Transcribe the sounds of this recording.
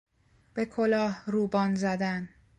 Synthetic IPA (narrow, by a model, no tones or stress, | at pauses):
b̥e̞kʰo̞lɒːhruːbɒːnzæd̪æn